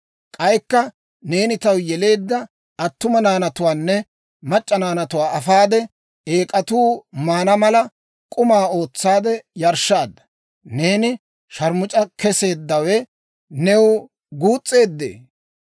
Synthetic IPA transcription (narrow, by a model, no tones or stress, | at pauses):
kʼɐjkːɐ | ne̞ːnɪt̪ɐwjɛle̞ːd̪ːɐ | ɐt̪ːʊmɐnaːnɐt̪ʊwaːnːɛ | mɐt͡ʃʼːɐnaːnɐt̪ʊwaːʔɐfaːd̪ɛ | e̞ːkʼɐt̪uːmaːnɐmɐlɐ | kʼʊmaːo̞ːt͡sːaːd̪ɛjɐɾʃːaːd̪ːɐ̥ | ne̞ːnɪ | ʃɐɾmʊt͡ʃʼɐkɛse̞ːd̪ːɐwɛ | nɛw | ɡuːt͡sʼːe̞ːd̪ːḛː